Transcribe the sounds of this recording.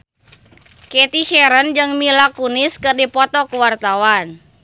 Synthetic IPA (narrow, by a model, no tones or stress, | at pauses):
kɛt̪iʃɛɾənd͡ʒɨŋmilakuniskɨrdipɔt̪ɔkuwart̪awan